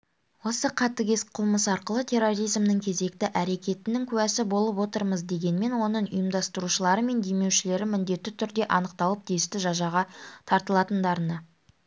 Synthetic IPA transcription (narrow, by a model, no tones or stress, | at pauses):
wo̞səqʰɑt̪ːəɡʲe̞sqʰʊlˠməsɑɾqəlˠət̪ʲʰe̞ro̞ɾijzmnəŋkʲʰe̞ze̞k̚t̪ɪʔæɾe̞kʲe̞t̪ɪnɪŋkʲʰʉwæsɪbo̞lˠəpwo̞t̪əɾməzd̪e̞ɡʲe̞nme̞nwo̞nəɴʊ̰jəmd̪ɑst̪əɾuʃəlˠɑɾəme̞nd̪e̞me̞wʃɪle̞ɾɪmʏnd̪e̞t̪ːɪt̪ʰʏɾd̪e̞ʔɑnəq̚t̪ɑlˠəp̚t̪ʰest̪ɪʒɑʒɑʁɑt̪ʰɑɾt̪əlˠɑt̪ənd̪ɑɾənə